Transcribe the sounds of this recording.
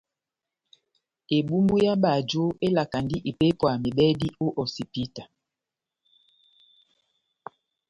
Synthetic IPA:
e˨ɓu˦mbu˦ja˦ɓa˨d͡ʒo˦ʔe˦la˨ka˨ndi˦ʔi˨pe˦pwa˨mi˨ɓɛ˦di˦o˦ʔɔ˨si˨pi˦ta˨

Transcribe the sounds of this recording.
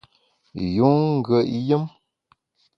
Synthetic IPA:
ju˨˦ŋ̩˦ɡə˨ʔjə˦m

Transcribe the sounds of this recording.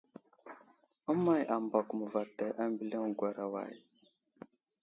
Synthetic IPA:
a˦ma˨jʔa˨mba˨ku˨mə˨va˨ta˨jʔa˦mbi˦le˦ŋɡwa˨ɾa˨wa̰˨j

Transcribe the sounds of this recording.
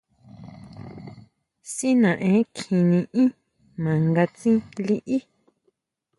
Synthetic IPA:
si˦nã˨ʔẽ˨˦kʰĩ˧nĩ˧ʔĩ˦ | mã˨ŋɡa˧t͡sĩ˦li˦ʔi˦

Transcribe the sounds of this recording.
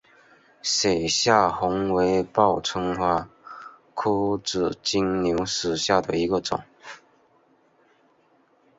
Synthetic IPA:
se˨˩ɪɕja˥˩xʊ˧˥ŋwe˧˥ɪpɑ˥˩ʊt͡sʰə˥ŋxwa˥˩ | kʰu˥ʈ͡ʂɻ̩˨˩t͡ɕi˥ŋnju˧˥ʊʂɻ̩˨˩ɕja˥˩d̪ə˩i˧˥ɡə˧ʈ͡ʂʊ̰˨˩˦ŋ

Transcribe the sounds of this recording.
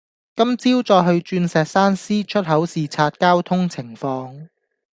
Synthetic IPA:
kɐ˥mt͡siː˥wt͡sɔː˧jɦɵ˧ɥt͡ʃyː˧nsɛː˨k̚saː˥nsiː˥t͡ʃʰɵ˥t̚ɦɐ˨˥wsiː˨t͡sʰaː˧t̚kaː˥wt̪ʰʊ˥ŋt͡sʰɪ˨˩ŋfɔː˧ŋ

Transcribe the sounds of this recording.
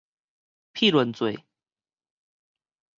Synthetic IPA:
pʰi˥˨lwə˨˦nt͡swe˨˩ɪ

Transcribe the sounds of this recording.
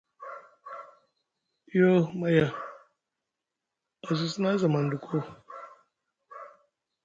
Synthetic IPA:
jo˦ma˦ja˦ | ɔ˨zʊ˦si˦na˦za˨ma˨n̩˨du˨kʷʰo˦˨

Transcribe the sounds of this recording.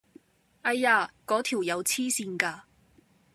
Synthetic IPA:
ʔɐ˧jaː˧kɔː˨˥t̪ʰiː˨˩wjɐ˨˧wt͡sʰiː˥siː˧nkaː˧

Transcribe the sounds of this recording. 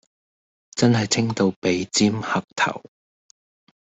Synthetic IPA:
t͡sɐ˥nɦɐ˨jt͡sʰɪ˥ŋt̪o˧wpe˨˧jt͡siː˥mhɐ˨k̚t̪ʰɐ̰˨˩w

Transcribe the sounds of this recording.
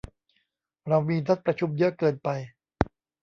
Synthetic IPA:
ɾa˧wmiː˧nʰa˦˥t̪̚pɾa˧t͡ɕʰu˧mjɯ˦˥ɐkɤː˨˩npa˧j

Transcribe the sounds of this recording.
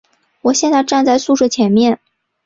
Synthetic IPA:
wɔ˨˩ɕjɛ˥˧nt͡sa˥˧ɪʈ͡ʂa˥˧nt͡sa˥˧ɪsu˥˧ʂwɤ˥˩t͡ɕʰjɛ˧˥nmjɛ˥˩n

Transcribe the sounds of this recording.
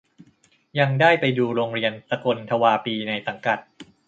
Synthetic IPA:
ja˧ŋdaː˥˩jpa˧jduː˧ɾoː˧ŋɾi˧ənpa˧ko˧nt̪ʰa˧waː˧piː˧na˧jsa˩˦ŋka˨˩t̪̚

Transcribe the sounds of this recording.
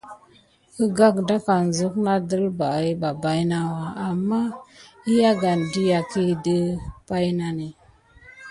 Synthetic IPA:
kə˦ɡa˦kda˦ka˨n˨zə˦kna˦də˦lba˨i˦ba˨ba˦jna˦wa˨a˨mːa˦i˦ja˦ɡa˨ndi˦ja˨ki˦də˦pa˦jna˨ne˨

